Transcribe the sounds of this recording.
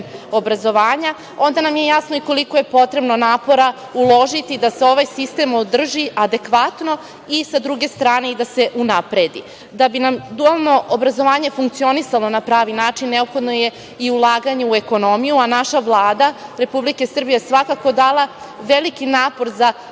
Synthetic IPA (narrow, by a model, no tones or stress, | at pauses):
o̞bɾazo̞ʋaːɲa | o̞nd̪anamje̞jasno̞iko̞liko̞je̞po̞t̪ɾe̞bno̞naːpo̞ɾa | ulˠo̞ʒit̪id̪ase̞o̞ʋajsist̪e̞mod̪r̩ʒiad̪e̞kʋat̪no̞ | isad̪ɾuɡe̞st̪ɾaːne̞id̪ase̞ʔunapɾe̞d̪ḭ | d̪abinamd̪ualˠno̞ʔobɾazo̞ʋaːɲe̞fuŋk̚t̪sio̞nisalˠonapɾaːʋinaːt͡ʃinːe̞opxo̞d̪no̞je̞ | iulˠaːɡaɲeue̞ko̞no̞mijuanaʃaʋlˠaːd̪aɾe̞publike̞sr̩bijesʋakako̞d̪aːlˠa | ʋe̞likinaːpo̞ɾza